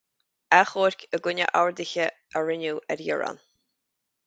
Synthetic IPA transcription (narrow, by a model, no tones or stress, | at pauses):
ɛxoːɾkʲʰəɡʊnʲə̰ʔawɹd̪ɪçə | əɹɪnuːʔɛɾjɪɹa̰n